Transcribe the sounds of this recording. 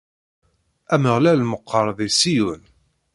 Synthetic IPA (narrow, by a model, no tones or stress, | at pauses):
æməʁlælːməqʰːɑɾˤðˤisijun